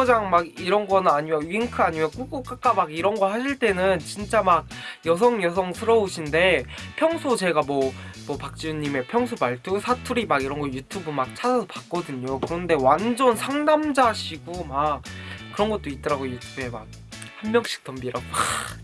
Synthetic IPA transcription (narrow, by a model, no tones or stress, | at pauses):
d͡ʑaŋmaɡiɾʌnɡʌnaɲimjʌɥiŋkʰɯaɲimjʌk͈ukuk͈ak͈amaɡiɾʌnɡʌhaɕʰiɭt͈e̞nɯnt͡ɕint͡ɕ͈amak̚jʌs̬ʰʌŋjʌsʰʌŋsʰɯɾʌoɕʰinde̞pʰjʌŋsʰot͡ɕe̞ɡamwʌmwʌpak̚t͡ɕ͈iuɲːime̞pʰjʌŋsʰopaɭtʰusʰatʰuɾimaɡiɾʌnɡʌjutʰubɯmak̚t͡ɕʰasʰasʰʌpak̚k͈ʌdɯɲokɯɾʌnde̞wand͡ʑʌnsʰaŋdamd͡ʑaɕʰiɡumak̚k͈ɯɾʌnɡʌt̚t͈oit̚t͈ʌɾaɡojutʰube̞mak̚ | hamːjʌŋɕ͈ʰi̥k̚t͈ʌmbiɾaa